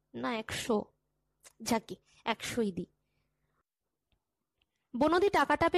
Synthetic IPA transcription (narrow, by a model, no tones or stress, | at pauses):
naɛkʃo | d͡ʑʱake | ɛkʃoid̪i | bonod̪iʈakaʈape